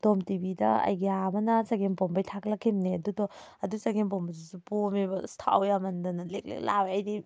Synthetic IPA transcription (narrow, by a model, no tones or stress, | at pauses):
d̥omtibidɐɐ̰jɡeamɐnɐsaɡempombɐjtʰaklakʰimneɐdudɔ | ɐdusaɡempombɐzisupomebɐstʰa̰wjamɐndɐnɐlek̚lḛlaweɐjni